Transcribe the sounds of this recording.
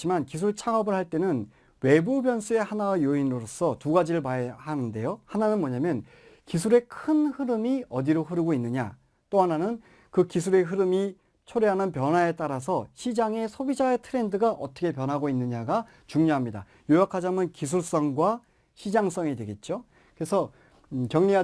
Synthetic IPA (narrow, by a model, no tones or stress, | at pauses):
t͡ɕimankis̬ʰuɭt͡ɕʰaŋʌbɯɭhaɭt͈e̞nɯn | we̞bubjʌns͈ʰue̞hanawajoinɯɾoɾos͈ʰʌtuɡad͡ʑiɾɯɭpaehanɯnde̞johananɯnmʌɲamjʌn | kisʰuɾe̞kʰɯnhɯɾɯmiʌdiɾoɸɯɾɯɡoinːɯɲa̰ | t͈oɦananɯn | kɯkisʰuɾe̞ɦɯɾɯmi | t͡ɕʰoɾeɦanɯnpjʌnɦae̞t͈aɾas̬ʰʌɕʰid͡ʑaŋe̞sʰobid͡ʑae̞tʰɯɾe̞ndɯɡaʔʌt͈ʰʌkʰe̞p̬jʌnɦaɡoinːɯɲaɡa | t͡ɕuŋɲoɦamɲida̰ | jojakʰad͡ʑamɯnkis̬ʰuɭs͈ʌŋɡwa | ɕʰid͡ʑaŋs͈ʌŋidwe̞ɡe̞t̚t͡ɕ͈o | kɯɾesʰʌ | kjʌŋɲia